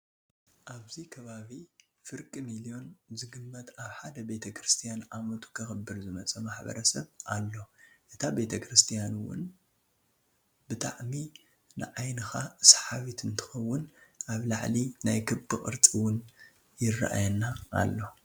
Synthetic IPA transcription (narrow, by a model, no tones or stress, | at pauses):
ʔaβzikʰɐβaβi | fɨɾkʼimilijo̞nzɨɡɨmːɐt̪aβħad̪ɐbe̞t̪ʰɐkʰɾɨst̪ʰijanʕamɐt̪ʰu̥kʰɐxɨbːɨɾzɨmɐt͡sʼɐmaħbɐ̰ɾɐsɐβʔalːo̞ʔɨt̪ʰabe̞t̪ʰɐkɾɨst̪ʰijanwʊ̰n | bɨt̪ʰa̰ʕmi | nɨ̰ʕajnɨxasḁħaβit̪ʰɨnt̪ʰɨ̥xɐwːʊnʔaβlaʕlinajkʰɨbbɨkʼɨ̰ɾt͡sʼiwʊn | jɪra̰ʔa̰jɐnːaʔːlːo̞